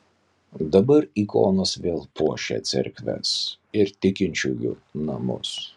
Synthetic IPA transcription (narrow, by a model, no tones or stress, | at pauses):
d̪ɐbɐɾiːko̰ːnɐsʋʲeːlˠpuɔʃʲɛ̰t̪sʲɪ̰ɾʲkʲʋʲɛ̰s | ɪɾt̪ʲɪkʲɪnʲt͡ʃʲujʊ̰nɐmʊ̰s